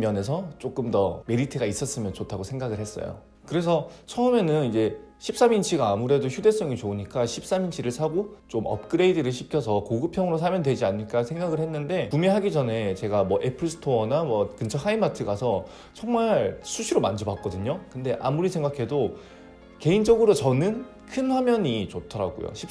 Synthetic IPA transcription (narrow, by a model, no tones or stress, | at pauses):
jʌne̞s̬ʰʌt͡ɕ͈ok͈ɯmdʌme̞ɾitʰɯɡais͈ʌs͈ɯmjʌnt͡ɕotʰaɡosʰe̞ŋɡaɡɯɭhe̞s͈ʌ̰jo̰ | kɯɾe̞s̬ʰʌt͡ɕʰʌɯme̞nɯnid͡ʑe̞ɕʰip̚s͈amint͡ɕʰiɡaːmuɾe̞doçjude̞s͈ʌŋit͡ɕouɲik͈aɕʰip̚s͈amint͡ɕʰiɾɯɭsʰaɡot͡ɕomʔʌ̰p̚k͈ɯɾe̞idɯɾɯɭɕ̬ʰikʰjʌsʰʌkoɡɯpʰjʌŋɯɾos̬ʰamjʌndwe̞d͡ʑianːɯɭk͈asʰe̞ŋɡaɡɯɭhe̞nːɯnde̞pumeɦaɡid͡ʑʌne̞t͡ɕe̞ɡamwʌʔepʰɯɭsʰɯ̥tʰonamwʌkɯnt͡ɕʰʌhʰaimatʰɯɡasʰʌ | t͡ɕʰʌŋmaɭsʰuɕʰiɾomand͡ʑobak͈̚ʌdɯɲokɯnde̞ʔa̰muɾisʰe̞ŋɡakʰe̞do | ke̞ind͡ʑʌɡɯɾot͡ɕʌnɯn | kʰɯnɸwamjʌɲit͡ɕotʰʌɾa̰ɡṵjo̰ɕʰi